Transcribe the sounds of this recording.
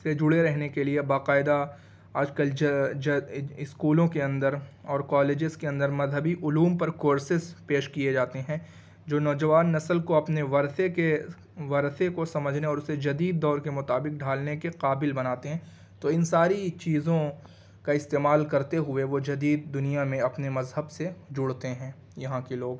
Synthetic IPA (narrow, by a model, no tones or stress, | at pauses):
sed͡ʒʊɽeɾɛɦnekeliebaːqaːɪd̪a | aːd͡ʒkəld͡ʒd͡ʒɪskuːlõkeɐ̃nd̪əɾɔːɾkaːleːd͡ʒɪzkeɐ̃nd̪əɾmɐzɦəbiʔʊluːmpɐɾkoːɾsɪzpeːʃkied͡ʒaːt̪eɦɛ̃ː | d͡ʒoːnɔːd͡ʒɐʋaːnːɐsəlkoɐpneʋɐɾseke | ʋɐɾt̪ʰekosɐməd͡ʒʱneɔːɾʊsed͡ʒɐd̪iːd̪̚ːɔːɾkemʊt̪aːbɪk̚ɖʱaːlnekeqaːbɪlbɐnaːt̪eɦɛ̃ː | t̪oɪnsaːɾit͡ʃiːzõ | kaɪst̪eːmaːlkɐɾt̪eɦʊeʋod͡ʒɐd̪iːd̪ːʊnijamẽɐpnemɐzɦəbsed͡ʒʊɽt̪eɦɛ̃ː | jɐɦãkiloːɡ